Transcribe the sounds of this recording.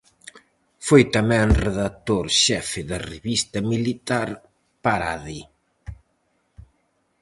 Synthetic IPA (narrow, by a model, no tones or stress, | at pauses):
fojt̪amɛ̃reðat̪oɾʃɛfɪðɐreβist̪ɐmilit̪aɾ | paɾaði